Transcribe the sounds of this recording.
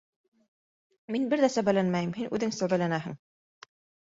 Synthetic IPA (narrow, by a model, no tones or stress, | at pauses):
minbɘɾðæsæβælænmæjɘmhinʔʉðɘŋsæwβælænæɦɘ̰̆ŋ